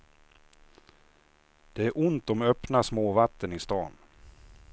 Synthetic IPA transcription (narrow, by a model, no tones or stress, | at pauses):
d̪̥ɛæɾʔʊnt̪ɔmœpnasmoːvat̪ːənɪst̪ɑːn